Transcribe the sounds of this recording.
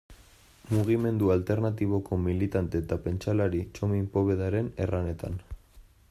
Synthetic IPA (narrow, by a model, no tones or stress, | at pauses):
muɣime̞nd̪ualt̪e̞ɾnat̪iβ̞o̞ko̞milit̪ant̪et̪ape̞nt͡ʃalaɾit͡ʃo̞mimpo̞βe̞ðaɾe̞ne̞rane̞t̪an